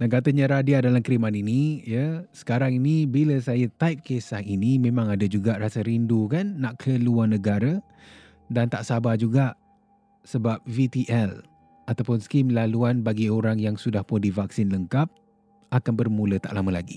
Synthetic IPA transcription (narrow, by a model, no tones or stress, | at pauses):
naŋkat̪əɲəɾadiadalamkɾimaninijəsə̥kaɾaŋinibiləsajət̪ajp̚kesahinimẽmãŋadəd͡ʒuɡaʔɾasəɾindukanːaʔkʰəluarnəɡaɾa | dant̪aʔsabad͡ʒuɡaʔ | səbap̚vit̪iʔɛl | at̪awpʊnskimlaluanbaɡioɾaŋjaŋsudahpʊndivak̚sɪnləŋkap̚ | akanbərmulət̪a̰ʔlaməla̰ɡḭ